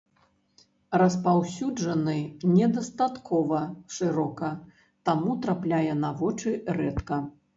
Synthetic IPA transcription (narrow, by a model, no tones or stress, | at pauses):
ɾɐspawsʲud͡ʐɐnɨnʲɛd̪ɐst̪at̪kʰɔvɐʂɨɾɔkɐ | t̪amut̪ɾaplʲajɛnavɔt͡ʂɨrɛt̪kɐ